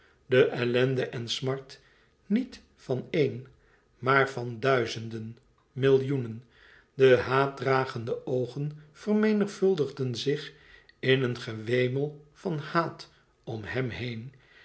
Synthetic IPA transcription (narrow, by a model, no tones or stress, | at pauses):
dəʔɛlɛndəʔɛnsmɑɹt | nit | fɑnen | maːɹvɑndœɥzəndən | mɪlˠjunən | dəɦaːt̚draːχəndəʔowχənfərmejnəχfɵlˠdəχdənzɪχ | ɪnənχəʋejməlˠfɑnhaːt | ɔmhɛmhejn